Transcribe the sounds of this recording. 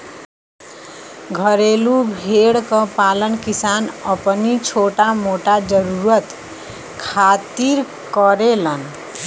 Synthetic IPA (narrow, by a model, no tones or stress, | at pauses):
ɡʱəɾelubʱeɽkəpalənkisanəpnit͡ʃʰoʈamoʈad͡ʒəɾuɾət̪ | kʰat̪iɾ | kəɾelən